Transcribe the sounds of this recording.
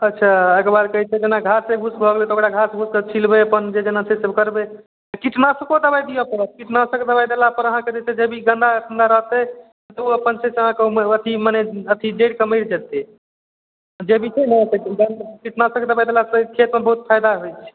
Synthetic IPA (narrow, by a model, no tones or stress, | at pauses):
ətːʃʰaekɾbaɾkəɦit͡ʃʰɛd͡ʒenaɡʱaseɡʱusbʱəɡlet̪ɔokɽaɡʱaseɡʱusket͡ʃʰilbeəpənd͡ʒed͡ʒenasesəbkəɾbe | kiʈnasəkod̪əbajd̪ijɔpəɾət̪kiʈnasəkd̪əbajd̪elapəɾəɦãked͡ʒet̪ed͡ʒebʱiɡə̃nd̪akʰənd̪aɾəɦt̪ɛ | t̪ɔoəpənsesəɦãkemət̪ʰimaneət̪ʰid͡ʒeɽkəməɪɽd͡ʒet̪e | d͡ʒebʱit͡ʃʰenɛt̪eɡənkiʈnasəkd̪əbajd̪elaskʰet̪mebəɦut̪pʰajd̪aɦojt͡ʃʰɛ̥